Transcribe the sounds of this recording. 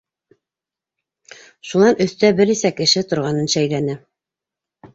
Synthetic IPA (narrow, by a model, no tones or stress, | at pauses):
ʃunɑnɵ̆θt̪æbɘɾisækɘ̆ʃɘt̪ŏɾʁɑnɤnʃæjlænɘ